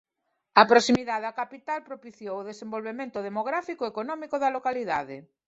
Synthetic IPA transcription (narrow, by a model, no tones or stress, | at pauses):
ɐpɾosimiðaðakapit̪alpɾopiθjowoðesẽmbolβemẽnt̪oðemoɣ̞ɾafikoekonɔmikoðɐlokaliðaðe